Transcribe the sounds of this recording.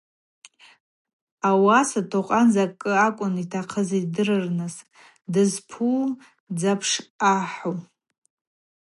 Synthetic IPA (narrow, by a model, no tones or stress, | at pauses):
awasatʰoqʼand͡zakʼːɨakʷʼʊnitʰaqʰəzidɨɾɨrnɨs | dɨzpʰu | d͡zapʰʂaħo